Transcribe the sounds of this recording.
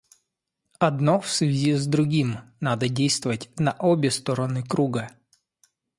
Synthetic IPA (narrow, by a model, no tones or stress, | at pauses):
ɐd̪nofsvʲɪzʲizd̪ɾʊɡʲimnad̪ədʲejst̪vəvətʲnɐʔobʲɪst̪oɾənɨkɾuɡə